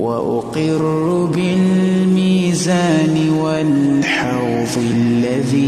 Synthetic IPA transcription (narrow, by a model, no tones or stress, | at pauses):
wa̰ʔʊqɪrːʊbɪlmiːzaːnɪwalħɑwðˤɨlːaðiː